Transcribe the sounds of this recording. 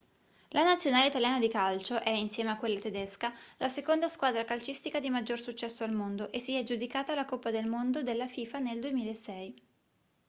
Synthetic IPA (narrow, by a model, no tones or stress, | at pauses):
lanat̪sːjonaːleit̪aljaːnad̪ikalt͡ʃoʔɛinsjɛːmeakːwelːat̪ed̪eskalasekond̪askwaːd̪ɾakalt͡ʃist̪ikad̪imad͡ʒːorsut͡ʃːɛsːoalmond̪oʔesːiɛd͡ʒud̪ikaːt̪aːlakopːad̪elmond̪od̪elːafiːfaneld̪uemiːlaesɛj